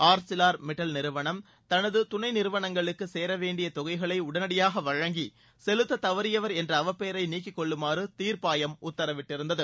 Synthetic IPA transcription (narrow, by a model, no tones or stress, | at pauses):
aːɾsɪlaːɾmɪʈːɐlnɪɾɯʋɐɳɐm | t̪ɐnɐðɯt̪ʊnɐɪnɪɾɯʋɐɳɐŋɡɐɭɯkːɯseːɾɐʋeːɳɖɪjɐt̪ɔɣɐɪɣɐɭɐɪʊɽɐnɐɽɪjaːɣɐʋɐɻɐŋɡi | sɛlɯt̪ːɐt̪ɐʋɐɾɪjɐʋɐɾɛndrɐɐʋɐpːeːɾɐɪniːkːɪkːɔɭːɯmaːrɯt̪iːɾpaːjɐmʊt̪ːɐɾɐʋɪʈːɪɾɯnd̪ɐðɯ